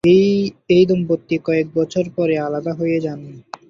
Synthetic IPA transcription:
eejd̪ompot̪ːikɔek̚bɔt͡ɕʰoɾpɔɾealad̪aɦojed͡ʑanːi

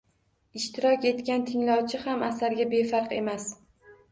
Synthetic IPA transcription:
ɪʃt̪ʰɪɾɒkʲe̞t̪kʲant̪ʰɪŋlɒwt͡ʃʰɪhamasaɾɡʲabe̞faɾqe̞̰mas

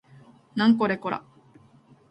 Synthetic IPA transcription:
nãŋkoɾekoɾa̰

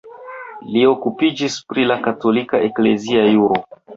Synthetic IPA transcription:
lio̞kupid͡ʒispɾilakato̞likaʔekle̞ziajuɾo

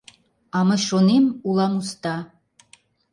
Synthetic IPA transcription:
ɑmɤ̆ʃonemulˠɑmust̪ɑ

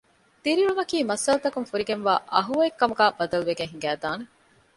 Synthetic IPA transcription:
t̪iɾiɭumɐkiːmɐsɐlɐt̪ɐkunfuɾiɡenʋa̰ːʔɐɦuɐekːɐmuɡæːb̥ɐd̪ɐluʋeɡeŋɦiŋɡæːd̪aːne

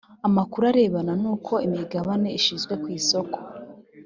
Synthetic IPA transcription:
amakuɾaɾe̞ːβananuːkʰo̞imiɡaβane̞iʃizɡwe̞kwiːso̞ko̞̥

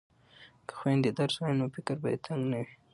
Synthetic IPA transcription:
kə̥xwend̪əd̪aɾsanofɪkɾbajḛt̪ʰaŋɡnawi

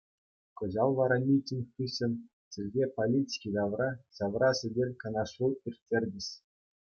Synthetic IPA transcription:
kɤ̆ʑɑlˠʋɑɾɑmʲitʲːinʲɯɕɘ̆nʲ | sʲɘ̆rʲɡʲepolʲitʲi̥kʲid̪ɑʋrɑɕɑʋrɑsʲɘ̆dʲerʲkɑ̆nɑʂuirʲtʲːerʲdʲɘ̆ɕ

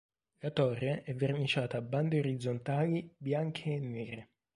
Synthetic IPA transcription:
lat̪ɔrːeʔɛvːernit͡ʃaːt̪aːbːand̪eoɾid̪zont̪aːlibjaŋkʰeːnːɛːɾe

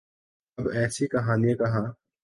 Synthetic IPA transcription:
ɐbɛːsikɐɦaːnijãkɐɦãː

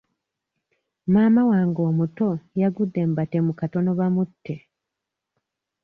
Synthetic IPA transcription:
maːmawaːŋɡo̞ːmuto̞jaɡud̪ːe̞mbate̞mukato̞no̞βamutːe

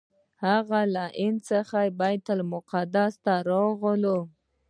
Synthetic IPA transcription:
haɣalaʔɪnsəxajbajt̪almʊqad̪ast̪aɾoɣəlo

